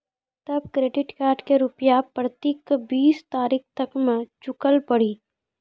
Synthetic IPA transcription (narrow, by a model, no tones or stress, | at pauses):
t̪ɐb̚kɾeːɖɪʈkaːɾɖkeɾʊpjapɾət̪iːkbiːst̪aːɾiːkʰt̪ɐkmẽt͡ʃʊkəlpɐɽiː